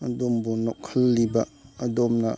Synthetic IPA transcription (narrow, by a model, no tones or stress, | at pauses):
ɐdombunokʰɐlːibɐɐdomnɐ